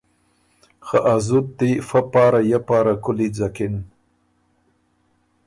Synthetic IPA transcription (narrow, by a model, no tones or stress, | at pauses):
xaʔazut̪̚d̪ifapɑːɾajapaːɾakʊlid͡zakɪn